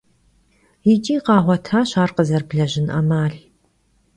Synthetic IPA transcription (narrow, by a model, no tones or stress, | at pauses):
jɪt͡ʃʼiːqɑːʁʷɔtʰaːɕaːrqəzɐrbɮɐʒɪnɐ̰maːɬ